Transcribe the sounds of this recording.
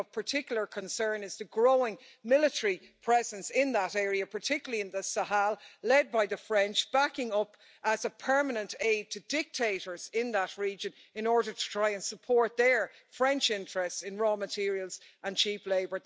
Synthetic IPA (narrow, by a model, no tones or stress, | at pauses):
v̥pʰə˞tʰɪkjl̩ˠə˞kʰə̃nsɜ̃˞nɪzðəɡɹoʊɪ̃ŋ | mɪləɾəɹipʰɹ̥ɛzə̃nsɪ̃nðəɾɛɹiəpʰə˞tʰɪkjl̩əliɪ̃nðəsəɦalˠlɛd̚baɪðəfɹɛ̃nt͡ʃb̥akɪ̃ŋʌp | ʔəzəpʰɜ˞mənə̃nteɪd̚tʰədɪk̚tʰeɪɾə˞z̥ɪ̃nðət̚ɹiːd͡ʒə̃n | ɪ̃nɔɹɾə˞tʰə̥tʰɹ̥aɪə̃nsəpʰɔɹt̪̚ðə˞ | fɹɛ̃nt͡ʃɪ̃ntɹ̥ɛstsɪ̃nɹɔːmətʰɪɹiəlˠz̥ə̃nt͡ʃʰipleɪbə˞